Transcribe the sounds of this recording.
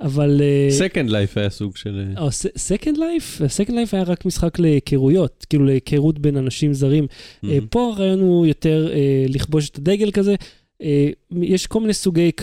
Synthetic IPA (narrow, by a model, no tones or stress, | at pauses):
avaleekendlajfajasuɡʃeleosesekendlajfasekendlajfajaʁakmisχakle̞kʰeʁujo̞t̚kiːlulekʰeʁutbe̞nanaʃimzaʁimepo̞aʁaːjo̞nujo̞te̞ʁeliχbo̞ʃ̬et̪ad̪e̞ɡe̞lkaze̞ | ejɛʃko̞lminejsuɡe̞jk